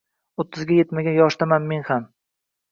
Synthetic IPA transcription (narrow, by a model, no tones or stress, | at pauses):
ot̪ʰːɪzɡʲaje̞t̪maɡʲajɒʃt̪amanme̞nham